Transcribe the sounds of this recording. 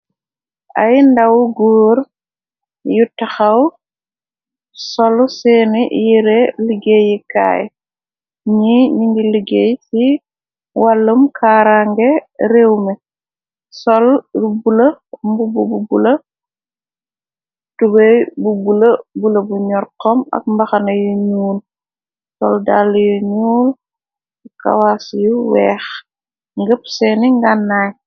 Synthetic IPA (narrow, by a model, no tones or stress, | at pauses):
ʔa̰jndawɡɔːɾ | jutaxaw | sɔlsɛnijiɾeliɡejika̰ːj | ɲiɲiŋɡiliɡejsi | walːəmkʰaːɾaŋɡɛɾewmɛ | sɔlɾubulɐmbubububulɐ | tubɛjbubulɐbulɐbuɲɔrqɔmɐ̰k̚mbɐxɐnɐjɔɲuːl | sɔldalːjɔɲuːl | ka̰wasjuwɛːx | ŋɡəpsɛniŋɡanːaːj